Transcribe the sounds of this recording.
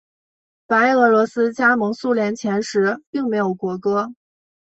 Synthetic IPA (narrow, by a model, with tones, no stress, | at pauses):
pa˧˥ɪɤ˧˥lwɔ˧˥sɹ̩˥t͡ɕja˥mɤ˧˥ŋsu˥˩ljɛ˧˥nt͡ɕʰjɛ˧˥nʂɻ̩˧˥pi˥˩ŋme˧˥ɪjo˨˩ʊkwɔ˧˥kɤ˥